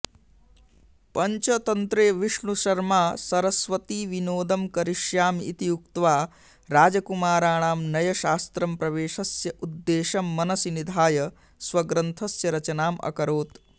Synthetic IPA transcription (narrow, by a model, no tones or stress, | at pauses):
pɐɲt͡ʃɐt̪ɐnt̪ɾeːʋiʂɳuʃɐɾmaːsɐɾɐsʋɐt̪iːʋinoːd̪ɐmkɐɾiʃjaːmḭt̪ijuk̚t̪ʋaː | ɾaːd͡ʒɐkumaːɾaːɳaːmnɐjɐʃaːst̪ɾɐmpɾɐʋeːʃɐsjɐʔud̪ːeːʃɐmːɐnɐsinid̪ʱaːjɐ | sʋɐɡɾɐnt̪ʰɐsjɐɾɐt͡ʃɐnaːmʔɐ̰kɐɾoːt̪